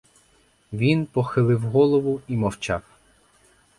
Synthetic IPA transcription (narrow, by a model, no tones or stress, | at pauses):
ʋʲinpɔxɪlˠɪwɦɔlˠɔʋʊimɔwt͡ʃɑw